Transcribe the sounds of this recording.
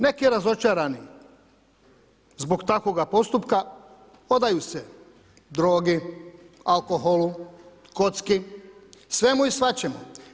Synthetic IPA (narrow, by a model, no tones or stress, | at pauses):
ne̞kiɾazo̞t͡ʃaːɾani | zbo̞ɡt̪ako̞ɡapo̞st̪upka | o̞d̪ajuse | d̪ɾo̞ːɡi | alkoɦolu | ko̞t̪ski | sʋe̞muisʋat͡ɕemu